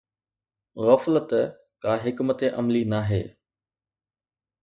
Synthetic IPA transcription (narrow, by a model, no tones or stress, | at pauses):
ɣɐflət̪ | kaːɦɪkmət̪eʔɐmlinaːɦḛː